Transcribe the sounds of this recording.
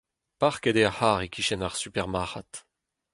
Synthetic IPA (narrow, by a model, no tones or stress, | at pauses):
paʁked̪eahaʁekʲʰiʃɛnaʁsypɛʁmaʁa̰t̪